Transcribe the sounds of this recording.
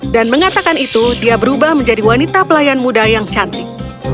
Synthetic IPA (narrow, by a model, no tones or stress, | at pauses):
danməŋat̪akanit̪udiabəɾubahməɲd͡ʒadiwanit̪apəlajanmudajaŋt͡ʃant̪ɪk̚